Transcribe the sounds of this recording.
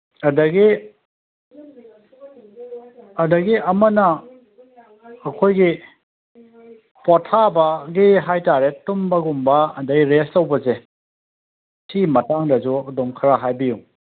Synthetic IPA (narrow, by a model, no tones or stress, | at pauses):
ɐdɐɡi | ɐdɐɡiɐmɐnɐ | kʰojɡi | potʰabɐɡiɦajtaɾetumbɐɡumbɐːdɐɡiɾestɐwbɐze | sʰimɐtaŋdɐzudɔŋkʰɐɾaɦajbijuŋ